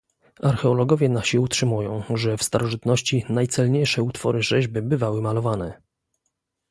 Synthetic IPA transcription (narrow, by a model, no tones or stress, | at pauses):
aɾxɛɔlɔɡɔvʲjɛnaɕiutʂɘmujɔ̃w̃ʐɛfst̪aɾɔʐɘt̪nɔɕt͡ɕinajt̪sɛlɲejʂɛut̪fɔɾɘʐɛʑbɘbɘvawɘmalɔvanɛ